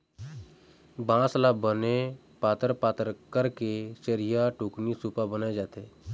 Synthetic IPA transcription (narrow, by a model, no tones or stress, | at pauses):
bãːslabəne | paːt̪əɾpaːt̪əɾkəɾkeʃəɾijaʈuːknisuːpabənaːed͡ʒaːt̪eɦɛː